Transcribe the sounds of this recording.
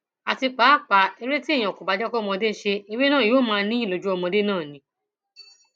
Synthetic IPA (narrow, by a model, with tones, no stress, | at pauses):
a˨ti˧k͡pa˨˦˨k͡pa˨e˧ɾe˦ti˦˨j̃ã˨ko˨ba˨˧d͡ʒɔ˦kɔ˦˧mɔ̃˧de˦ʃe˧e˧we˦nã˦˨jo˨˦˨mãː˧nĩ˦i˦˨lo˨d͡ʒu˦ɔ˧mɔ̃˧de˦nãː˦˨nĩ˨˦